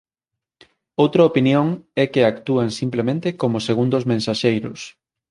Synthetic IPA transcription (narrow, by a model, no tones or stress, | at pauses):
owt̪ɾɐopinjoŋɛkeakt̪uaŋsimplemẽnt̪ekomʊseɣund̪ozmẽnsaʃejɾʊs